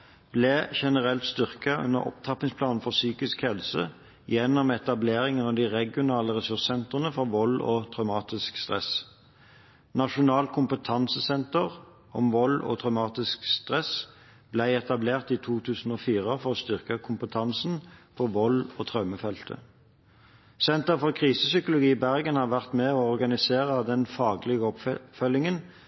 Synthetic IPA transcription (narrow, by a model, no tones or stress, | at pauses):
b̥leːʃɛnəʁɛlt̪st̪ʏʁkɑʔʉ̰nə̰ʁɔ̰pt̪ʰɑpːɪŋspʰlɑːnn̩fɔʁsyːkɪskhɛlsə̰ | jɛnːɔmɛt̪ɑbleːʁɪŋənɑʋd̪iʁɛɡɪʊnɑːləʁɛsʉʁssɛnt̪ʁənəfɔʁʋɔlɔ̰ːt̪ʰʁɑʉmɑːt̪ɪskst̪ʁɛ̰s | nɑʃʊnɑːlkʰʊmpət̪ʰɑnsəsɛnt̪əʁ | ʔɔ̰mʋɔlɔ̰ːt̪ʰʁɑʉmɑːt̪ɪskst̪ʁɛs | blæɪɛt̪ɑbleːʁt̪iːt̪ʰuːt̪ʰʉːsn̩oːfiːʁəfɔʁɔst̪ʏʁkəkʰʊmpət̪ʰɑnsn̩pʰɔʋɔlo̰ːt̪ʰʁɑməfɛlt̪ʰə̰ | sɛnt̪əʁfɔʁkʰʁiːsəsʏkʊlʊɡiːbæʁɡənhɑːʁʋæʁt̪mɛɔɔʁɡɑnɪseːʁəd̪ɛnfɑːɡlɪɡəɔpfœlɪŋən